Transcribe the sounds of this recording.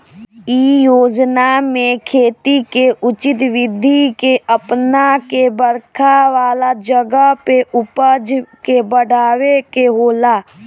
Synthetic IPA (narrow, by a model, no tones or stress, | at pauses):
iːjoːd͡ʒnamẽkʰeːt̪ikeʔʊt͡ʃɪt̪ʋɪd̪ʱːikeʔəpnakebəɾkʰaʋaːlad͡ʒəɡəpeʔʊpəd͡ʒkebəɽaːwekeɦoːlaː